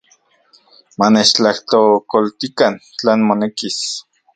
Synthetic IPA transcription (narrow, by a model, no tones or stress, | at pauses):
manet͡ʃt͡ɬaht̪okolt̪ikant͡ɬeːnmonekis